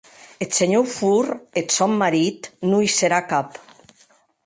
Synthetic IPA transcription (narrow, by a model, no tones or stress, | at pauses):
et̪seɲofuɾet̪sɔmːaɾit̪nujseɾakap